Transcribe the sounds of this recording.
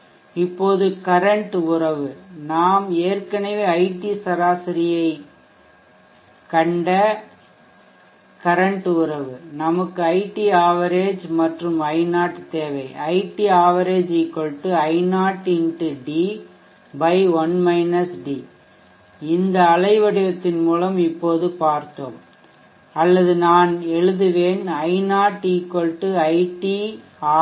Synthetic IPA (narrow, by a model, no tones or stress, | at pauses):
ɪpːoːðɯkɐɾɐɳʈʊɾɐʋɯnaːmeːɾkɐnɐʋeːɐɪʈːisɐɾaːsɪɾɪjɐɪ | kɐɳɖɐ | kɐɾɐɳʈɯʊɾɐʋɯnɐmɐkːɯɐɪʈːiaːʋɐɾeːd͡ʒmɐʈrɯmɐɪnaːʈɯt̪eːʋɐɪʔɐɪʈːiaːʋɐɾeːd͡ʒɪkːɔɭʈːɯɐɪnaːʈɪɳʈɯɖi | bɐɪʋɐnmɐɪnɐsɖi | ɪnd̪ɐːlɐɪʋɐɽɪjɐt̪ːɪnmuːlɐmɪpːoːðɯpaːɾt̪o̰ːm | ɐlːɐðɯnaːnɛɻɯðɯʋeːnɐɪnaːʈikːɔɭʈːɯɐɪʈːiː